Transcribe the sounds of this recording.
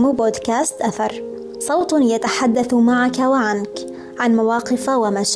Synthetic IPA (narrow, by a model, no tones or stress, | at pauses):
mboːd̪kaːst̪ʔaθɑɾˤ | sˤɑwt̪ˤjat̪aħad̪ːaθmaʕakawaʕank | ʕanmawɑːqɪfawamaʃ